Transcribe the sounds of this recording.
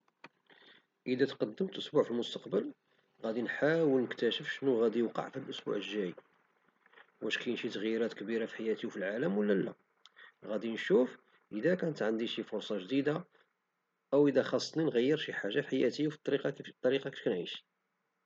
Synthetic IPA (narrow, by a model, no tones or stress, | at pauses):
ʔəd̪æt̪qɑd̪ːəmt̪ʔʊsbuʕfilmʊst̪ɑqbəl | ɣæd̪inħawəlnəkt̪æʃəfʃənːuɣæd̪ijəqɑ̰ʕfilʔʊsbṵʕəʒːæj | wʔæʃkæjnʃit̪əɣjɾæt̪kbiɾafi̥ħajæt̪iwfilʕaləmwəlːælːæ̰ | ɣæd̪inʃuf | ʔəd̪ækænət̪ʕənd̪iʃifʊɾsˤɑʒd̪id̪a | ʔəwʔəd̪æxɑsˤːninɣəjːəɾˤʃiħaʒːafħajæt̪iwfit̪ˤːɑɾiqɑt̪ˤːɑɾiqɑki̥ʃkænʕiʃi̥